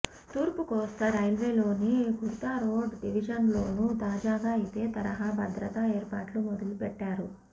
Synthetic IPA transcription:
t̪uːɾpukɔːst̪ɐɾɐjlʋeːlo̞ːniɡʱuɾt̪aːɾoːɖɖiʋid͡ʒɐnlo̞ːnut̪aːd͡ʒaːɡaːit̪e̞ːt̪ɐɾɐɦaːbʱɐd̪ɾɐt̪ɐeːɾpa̰ːʈlumɔd̪ɐlupɛʈːaːɾu

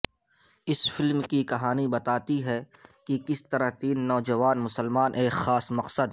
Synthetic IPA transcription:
ɪsfɪlmkikɐɦaːnibɐt̪aːt̪iɦɛkikɪst̪ɐɾəɦt̪iːnːɔːd͡ʒɐʋaːnmʊsəlmaːnʔeːkxaːsmɐqsəd̪

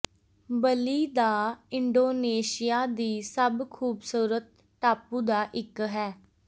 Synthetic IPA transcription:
bəliːd̪aːɪɳɖoːneːʃɪjaːd̪iːsəbkʰuːbsuːɾət̪̚ | ʈaːpuːd̪aːʔɪkɦɛː

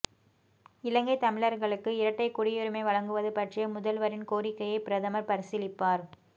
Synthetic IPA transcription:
ɪlɐŋɡɐɪt̪ɐmɪɭɐɾɣɐɭɯkːɯɪɾɐʈːɐɪkːʊɽɪjɯɾɯmɐɪʋɐɭɐŋɡɯʋɐðɯpɐʈrɪjɐmʊðɐlʋɐɾɪnkoːɾɪkːɐjɐɪpɪɾɐðɐmɐɾpɐɾɪsɪlɪpːaːɾ

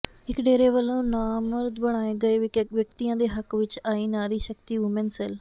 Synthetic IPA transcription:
ɪkɖeːɾeːʋəlːõːnaːməɾd̪bəɽ̃aːeːɡəeːʋjəkt̪iːjãːd̪eːɦəkʋɪt͡ʃaːiːnaːɾiːʃəkt̪iːʊmẽnsɛl

